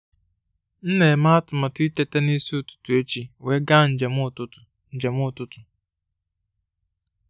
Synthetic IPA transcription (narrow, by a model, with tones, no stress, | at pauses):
n̩˦ne˨ma˦a˦tʊ˨ma˨ti˦te˨te˦ni˦si˦ʊ˨tʊ̥˨tu˨e˦t͡ʃi˦we˦ɡa˦n̩˨d͡ʒe˨mʊ˦˨tʊ˦ʊ˨ | n̩˨d͡ʒe˨mʊ˦˨tʊ˦tʊ˨